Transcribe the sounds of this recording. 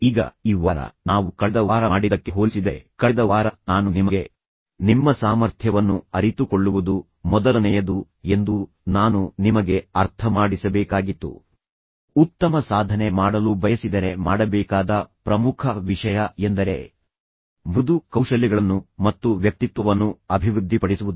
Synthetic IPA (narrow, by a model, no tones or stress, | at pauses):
iːɡɐ̰iːʋaːɾɐ̰naːʋukɐd̪ɐʋaːɾɐːɽid̪ɐkːe̞ɦoːlisid̪e̞kɐɭd̪ɐʋaːɾɐnaːnunimɐɡe̞ | nimːɐsaːmɐɾt̪ʰjɐʋɐnːuɐɾit̪ukoɭːuʋud̪u | mɔd̪ɐlɐnɛjɐd̪u | e̞nd̪u | naːnunimɐɡe̞ɐɾt̪ʰɐmaːɽisɐbɛːkaːɡit̪ːṵ | ut̪ːɐmɐsaːd̪ʱɐne̞maːɽɐlubʱɐjɐsid̪ɐɾe̞maːɽɐbɛːkaːd̪ɐpɾɐmukʰɐʋiʂɐjɐend̪ɐɾe̞̰ | bud̪ukɐwʂɐliɡɐɭɐnːumɐt̪ːuʋjɐk̚t̪it̪ʋɐʋɐnːuɐbʱiʋɾud̪ʱːipɐɽisuʋud̪u